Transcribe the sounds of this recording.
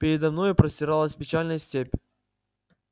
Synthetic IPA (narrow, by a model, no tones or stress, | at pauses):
pʲɪɾʲɪd̪ɐmnojʊpɾəsʲtʲɪɾalˠəsʲpʲɪt͡ɕalʲnəjsʲtʲepʲ